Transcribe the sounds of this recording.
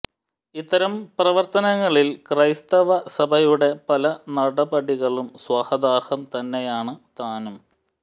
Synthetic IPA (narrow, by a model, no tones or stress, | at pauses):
it̪ːɐɾɐmprɐʋɐrt̪ɐnɐŋːɐɭilkrɐjst̪ɐʋɐsɐbʱɐjuɽe̞pɐlɐnɐɽɐbɐɽiɣɐɭumswɐhɐd̪aːrhɐmt̪ɐnːe̞jaːɳɨt̪aːnum